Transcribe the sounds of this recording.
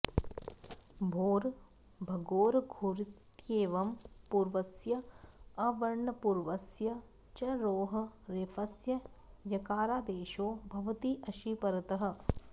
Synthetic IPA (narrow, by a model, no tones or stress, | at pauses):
bʱoːɾ | bʱɐɡoːɾɡʱoɾit̪jeːʋɐmpuɾʋɐsjɐɐʋɐɾɳɐpuɾʋɐsjɐ | t͡ʃɐɾoːɦɐ̆ɾefɐsjɐ | jɐkaːɾaːd̪eːʃoːbʱɐʋɐt̪iʔɐʃiːpɐɾɐt̪ɐɦɐ̆